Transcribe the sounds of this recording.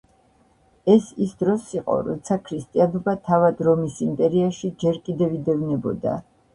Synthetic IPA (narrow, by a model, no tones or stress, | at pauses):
ɛsisd̪ɾɔsiqʼɔ̰ɾɔ̰t̪sʰakʰɾist̪ʼianɔbat̪ʰavad̪ɾɔmisimpʼɛɾiaʃid͡ʒɛɾkʼid̪ɛvid̪ɛvnɛbɔ̰d̪a̰